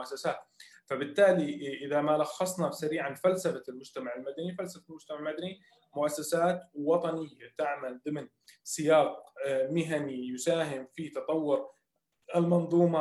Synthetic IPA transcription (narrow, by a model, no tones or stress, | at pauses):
ʔasːasaːt̪ | fabɪt̪ːaːliʔɪðamalɑxːɑsˤnɑbsaɾiːʕanfalsafalmʊd͡ʒt̪amaʕɪlmad̪anifalsafaɪlmʊd͡ʒt̪amaʕɪlmad̪ani | mʊʔasːasaːt̪wɑt̪ˤɑnɪjːat̪aʕmalðɪmɪn | sɪjɑːqmɪɦanijʊsaːɦɪmfit̪ɑt̪ˤɑwːʊɾ | ɪlmɑnðˤuːmɑ